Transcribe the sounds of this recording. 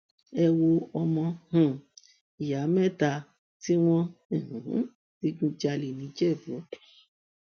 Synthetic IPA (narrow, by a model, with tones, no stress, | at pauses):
ɛ˧wo˧ɔ˧mɔ̃˧hũ˦˨ | i˨ja˨˦mɛ̃˦˨ta˧ | ti˦w̃ɔ̃˦˨h̩˨˦ | ti˦ɡũ˦d͡ʒa˧le˨nĩ˨˦d͡ʒɛ˦˨bo˨˦